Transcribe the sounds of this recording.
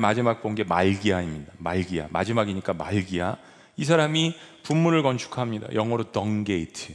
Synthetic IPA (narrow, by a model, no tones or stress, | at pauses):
mad͡ʑimak̚p͈onɡe̞maɭɡiɦaimɲidamaɭɡiɦa̰ma̰d͡ʑimaɡiɲik͈amaɭɡiɦa | is̬ʰaɾamipumːunɯɭkʌnt͡ɕʰu̥kʰamɲida̰jʌŋʌɾotʌŋɡe̞itʰɯ